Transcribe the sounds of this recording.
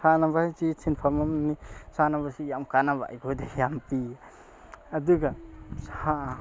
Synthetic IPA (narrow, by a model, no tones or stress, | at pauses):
sanabat͡ʃisʰinpʰamamnisanabasijamkanaβa̰ʔjbɔjdejampi | aduɡasha